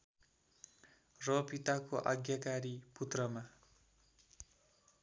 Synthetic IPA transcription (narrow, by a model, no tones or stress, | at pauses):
rʌpit̪akoʔa̰ɡjakaɾiput̪rʌma